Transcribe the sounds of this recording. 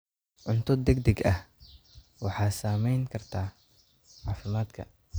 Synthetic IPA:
ʕʊnt̪ʰɔd̪ɛɡ̚d̪ɛɡʔɐh | wɑħɑːsaːmɛjŋkʰɐrt̪ʰaː | ʕɑːfɪmaːd̪kʰɐ̰

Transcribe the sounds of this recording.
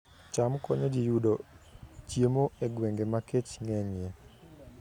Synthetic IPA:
t͡ʃamkɔɲod͡ʒijudot͡ʃjemoeɡweŋɡemaket͡ʃŋɛɲje

